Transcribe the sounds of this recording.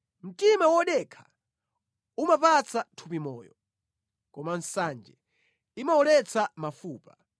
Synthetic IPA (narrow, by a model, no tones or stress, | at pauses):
m̩timawɔɗɛkʰḁ | umapat͡satʰupimɔ̰ːjɔ̰ | kɔman̩sand͡ʒɛ | imaɔlɛt͡sʰamafuːpa